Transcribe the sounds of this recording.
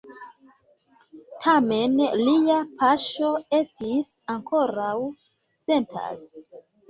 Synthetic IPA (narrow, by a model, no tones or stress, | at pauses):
tʰame̞nliapʰaʃo̞e̞stis | aŋkʰo̞ɾaw | se̞ntʰa̰s